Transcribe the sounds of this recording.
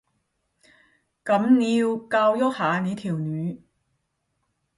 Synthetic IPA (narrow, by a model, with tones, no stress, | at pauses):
kɐ˨˥mniː˨˧wkaː˧wjɔ˥k̚haː˨˧niː˨˧t̪ʰiː˨˩wnyː˨˥